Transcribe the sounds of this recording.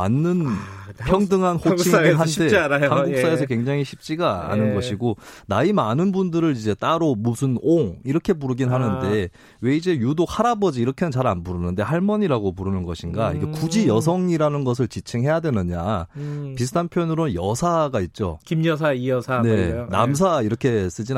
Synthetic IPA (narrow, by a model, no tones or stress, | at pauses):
a̰nːɯnpʰjʌŋdɯŋɦanhoɡʰiɦantʰe̞ajhaŋɡuk̚s͈aesʰʌkwe̞ŋd͡ʑaŋɦiɕʰip̚t͡ɕ͈iɡaa̰nɯnɡʌɕʰiɡonaimanɯnbundɯɾɯɾid͡ʑe̞t͈aɾomusʰɯnoŋiɾʌkʰe̞puɾɯɡinɦanɯnde̞ | we̞id͡ʑe̞judok̚haɾabʌd͡ʑiːɾʌkʰenɯnt͡ɕaɾa̰nbuɾɯnɯnde̞haɭmʌɲiɾaɡopuɾɯnɯnɡʌɕʰinɡaḭɡe̞kud͡ʑijʌs̬ʰʌŋiɾanɯnɡʌs̬ʰɯɭt͡ɕit͡ɕʰeŋɦe̞jadwe̞nɯɲa̰ | pisʰɯ̥tʰanpʰjʌnɯɾonjʌ̰sʰaɡait̚t͡ɕ͈o̰kimjʌsʰaiʌane̞na̰ms̬ʰaiɾʌkʰe̞s͈ɯd͡ʑin